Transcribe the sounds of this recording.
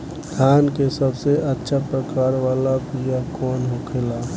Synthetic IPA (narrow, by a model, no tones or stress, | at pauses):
d̪ʱaːnkesəbseʔətːʃʰapɾəkaːɾʋaːlapijakɔːnɦokʰeːla